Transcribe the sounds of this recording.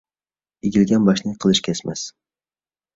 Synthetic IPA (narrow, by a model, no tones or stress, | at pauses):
eɡʲilɡʲɛnbɑʃnɪqʰəlˠɨʃkʲʰɛsmɛs